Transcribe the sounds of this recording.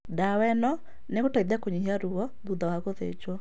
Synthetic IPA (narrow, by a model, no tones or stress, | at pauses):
dawɛnɔ | neɣotaiðɛkoɲiaɾuɔðuðawaɣoðḛd͡ʒwɔ